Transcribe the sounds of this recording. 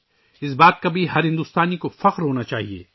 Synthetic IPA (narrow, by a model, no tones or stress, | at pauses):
ɪsbaːt̪̚kabʱiɦɐɾɦɪ̃nd̪uːst̪aːnikofɐqɾɦoːnat͡ʃaːɦiḛː